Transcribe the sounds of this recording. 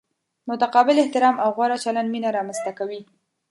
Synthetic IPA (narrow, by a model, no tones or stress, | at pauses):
mʊt̪aqɑbɪlɪht̪ɪɾɑmawɣwaɾat͡ʃaland̪minaɾɑmanst̪akawi